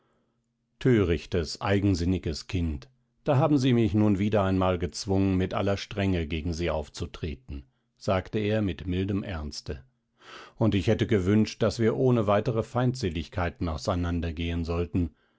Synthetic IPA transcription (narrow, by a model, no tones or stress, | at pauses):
tʰøːʁɪçtəsʔaɪɡŋ̩zɪnɪɡəskʰɪnt | d̥aːɦaːbm̩ziːmɪçnuːnviːdɐaɪnmaːlɡət͡sv̥ʊŋənmɪtʔa̰lɐʃtʁ̥ɛŋəɡeːɡŋ̩ziːa̰ʊft͡sutʁ̥ḛːtn̩ | z̥aːktəeːɐmɪtmɪldəmʔɛɐnstə | ʊntɪçhɛtəɡəvʏnʃt̚d̥asv̥iːɐʔoːnəvaɪtəʁəfaɪ̃ntz̥eːlɪçkʰaɪtn̩aʊsaɪnandɐɡeːənzɔltn̩